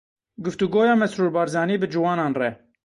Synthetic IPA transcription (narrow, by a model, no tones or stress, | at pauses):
ɡʊft̪uɡoːjɑːmɛsɾuːɾbɑːɾzɑːniːbɨd͡ʒuwɑːnɑːnrɛ